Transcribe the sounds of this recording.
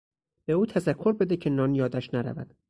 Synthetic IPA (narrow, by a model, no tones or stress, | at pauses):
b̥e̞uːt̪ʰæzækʰːo̞ɾbe̞d̪ecʰe̞nɒːnjɒːd̪æʃnæɾæ̰væ̰d̪̥